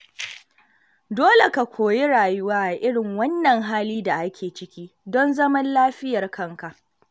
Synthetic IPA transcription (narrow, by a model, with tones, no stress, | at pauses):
doː˦le˨ka˨kʷʰoː˨ji˦ɽaː˨jʊ˦waː˦ʔa˨ʔɪ˦ɽɪ˨ŋwɐ˦nːɐ˨ŋɦaː˦liː˦da˨ʔa˦kʲʰeː˨t͡ʃɪ˦kʲiː˦ | dɔ˦nzɐ˦mɐ˦nlaː˦ɸɪ˦jɐ˨rkɐ˦ŋka˨ʔ